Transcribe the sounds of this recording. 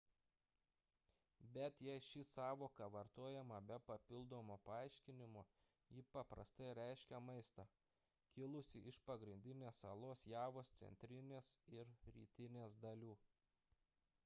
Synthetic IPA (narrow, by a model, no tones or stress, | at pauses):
bʲɛt̪jɛɪʃʲɪsɑːʋoːkɐʋɐɾt̪oːjɛmɐbʲɛpɐpʲɪlˠd̪oːmoːpɐɑˑɪʃʲkʲɪnʲɪmo | jɪpɐpɾɐ̰st̪ɐɪɾʲæɪʃʲkʲɛmɐɪst̪ɐː | kʲɪlˠʊsʲɪɪʃpɐɡɾʲɪnʲd̪ʲɪnʲeːsɐlˠoːsjæːʋoːst̪sʲɛ̰nʲt̪ʲɾʲɪnʲeːsɪɾɾʲiːt̪ʲɪnʲeːsd̪ɐlʲuː